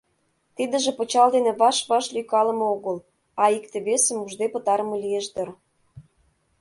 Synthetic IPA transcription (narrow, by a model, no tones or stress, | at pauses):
t̪id̪ə̆ʒĕpɤ̆t͡ɕɑld̪enĕβɑʃβɑʃlykɑlə̆mɤoɣə̆l | ɑikt̪ĕβesə̆muʒd̪epə̆t̪ɑɾəmɤ̆lijeʒd̪ə̆r